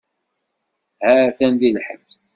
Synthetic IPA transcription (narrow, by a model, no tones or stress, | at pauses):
hæθænðilħəms